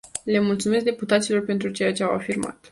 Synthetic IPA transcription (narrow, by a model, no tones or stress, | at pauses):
le̞mult̪sume̞s̬k̚d̪e̞put̪at̪silo̞rpe̞nt̪ɾut͡ʃe̞jat͡ʃe̞awa̰firma̰t̪